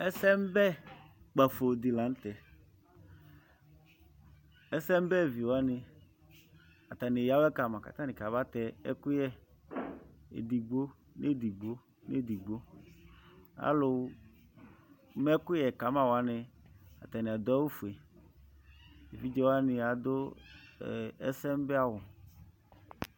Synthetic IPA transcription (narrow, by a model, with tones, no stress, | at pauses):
ɛ˦sɛ˦m˦bɛ˦ | k͡pa˨fo˨d̪i˨la˨˦n̩˦t̪ɛ˨ | ɛ˦sɛ˦m˦bɛ˦˨vi˨wo˨a˦nɪ˨ | a˨t̪a˨nɪ˨ja˨˦wɛ˦ka˨mã˨ka̰˨t̪a˦nɪ̃˨ka˨βa˦t̪ɛ˨ɛ̰˦kʊ˦jɛ˦ | ḛ˨d̪i˨ɡ͡bo˦ | ne˦˨d̪i˨ɡ͡bo˦ | nḛ˦˨d̪i˨ɡ͡bo˦ | a̰˦lʊ˨˦ | mɛ˦kʊ˦jɛ˨ka˨˦mã˦˨wa˦nɪ˨a̰˨t̪a˨nɪ˨a˨d̪ɔ˦u˦fu˨e˨ | e˨vi˦d͡ʒɛ˦wa˦nɪ˨a˨d̪ʊ˦˨ | ɛ˦sɛ˦m˦bɛ˦a˦wʊ˨